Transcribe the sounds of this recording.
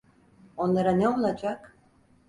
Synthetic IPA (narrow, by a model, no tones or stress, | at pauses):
o̞nlˠaɾanɛo̞lˠad͡ʒak